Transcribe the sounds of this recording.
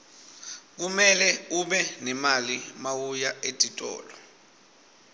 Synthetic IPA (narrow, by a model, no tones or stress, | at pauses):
k̬umɛlɛuɓɛnɛmalimawujaetʼitʼɔ̰ːlɔ